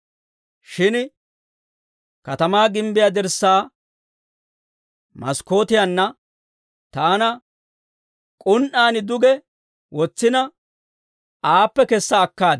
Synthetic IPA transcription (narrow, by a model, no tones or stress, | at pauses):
ʃɪn | kɐt̪ɐmaːɡɪmbɪjad̪ɛɾsːaː | mɐsko̞ːt̪ɪjɐnːɐ | t̪aːnɐ | kʼʊnʔaːnɪd̪ʊɡɛ | wɔt͡sːɪnɐ | aːpːɛkɛsːɐːkːaːd̪